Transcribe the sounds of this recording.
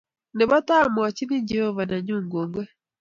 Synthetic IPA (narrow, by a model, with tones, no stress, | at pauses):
ni˨βa˦ta˦mwa˨ci˦ni˦ɲɟi˨jo˦βa˨na˨ɲuː˦ŋɡuː˨ŋɡwe˦